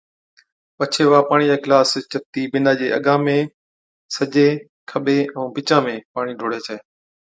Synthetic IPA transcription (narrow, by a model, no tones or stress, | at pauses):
pət͡ʃʰeːʋaːpaːɽ̃iːd͡ʑaːkɪlaːst͡ɕət̪iːbɪnaːd͡ʑḛːə̰ɠãːmẽ | səʄeː | kʰəɓeːɛ̃ːbʱɪt͡ʃãːmẽːpaːɽ̃iːɖʱoːɽeːt͡ɕʰaeː